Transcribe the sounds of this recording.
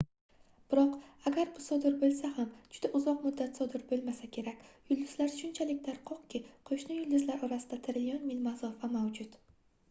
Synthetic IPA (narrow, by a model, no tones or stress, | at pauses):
b̥ɪɾɒqaɡʲaɾbʊsɒd̪ɪɾbolˠsahamd͡ʒʊd̪aʔʊzɒqmʊd̪ːat̪sɒd̪ɪɾbolˠmasakʲʰe̞ɾakʲjʊlˠd̪ɪz̥laɾʃʊnt͡ʃʰalɪkʲlaɾqʰɒqkʲɪqʰoʃnɪjʊld̪ɪzlaɾɒɾasɪd̪at̪ʰɪɾɪljɒnmɪlmazɒfamawd͡ʒʊt̪